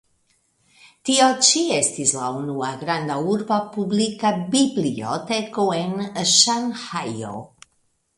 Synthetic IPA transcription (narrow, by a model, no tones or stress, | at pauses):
tiot͡ʃiestislaunuaɡɾand̪auɾbapublikabiblio̰tekoenʃanhajo̰